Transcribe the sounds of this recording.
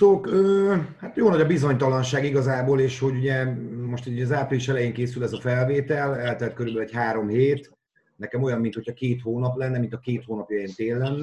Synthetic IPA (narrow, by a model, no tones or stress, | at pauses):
soːkøːhat̪joːlnɒɟɒbizo̞ɲt̪ɒlɒnʃaːɡiɡɒzaːboːleːʃho̞ɟuɟɛmo̞ʃt̪ɛɒzaːpriliʃɛlɛjeːŋkeːsylɛzɒfɛlveːt̪ɛlɛlt̪ɛɛt̪̚køɾybɛlɛchaːɾo̞mheːt̪ | nɛkɛmo̞jɒmːint̪hocʰɒkeːt̪hoːnɒplɛnːɛmint̪ɒkeːt̪hoːnɒpjɒjeːnt̪eːlːɛnː